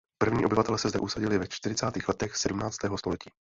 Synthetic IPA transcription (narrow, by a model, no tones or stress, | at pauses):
pr̩vɲiːʔobɪvat̪ɛlɛsɛzdɛ̰ʔusaɟɪlɪvɛt͡ʃt̪ɪɾɪt͡saːt̪iːxlɛt̪ɛxsɛdumnaːt͡st̪ɛːɦost̪o̞lɛciː